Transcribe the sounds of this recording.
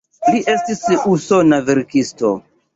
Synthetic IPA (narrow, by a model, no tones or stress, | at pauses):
liʔe̞stisusonaveɾkisto̰